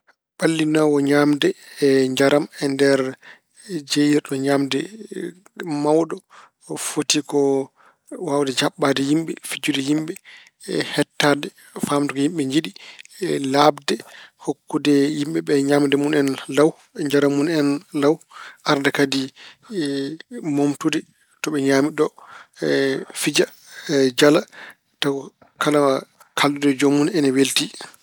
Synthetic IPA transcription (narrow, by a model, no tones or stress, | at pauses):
ɓalːinawɔɲamdɛɲd͡ʒaɾamɛndɛɾ | d͡ʒejiɾɗɔɲamdɛ | mawɗɔ | fotikɔ | wawdɛd͡ʒaɓːadɛjimɓɛfid͡ʒudɛjimɓɛ | hɛtːadɛ | famdɛkɔhimɓɛɲd͡ʒiɗi | labdɛhokːudɛjimɓɛɓɛɲaːmdɛmunɛnlaw | ɲd͡ʒaɾamunɛnlawʔaɾdakadi | momtudɛ | tɔɓɛɲamiɗɔ | fid͡ʒa | d͡ʒala | ta | kalama | kʰalːudɛd͡ʒomːunɛnɛwelti